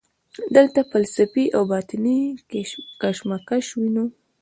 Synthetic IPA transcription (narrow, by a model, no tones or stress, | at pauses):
d̪əlt̪afalsafiʔawbɑt̪ɪni | kaʃmakaʃwino